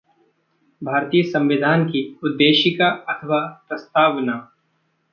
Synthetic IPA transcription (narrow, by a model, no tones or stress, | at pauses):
bʱaːɾt̪ijəsɐ̃mʋɪd̪ʱaːnkiʊd̪ːeːʃɪkaɐt̪ʰəʋapɾɐst̪aːʋnaː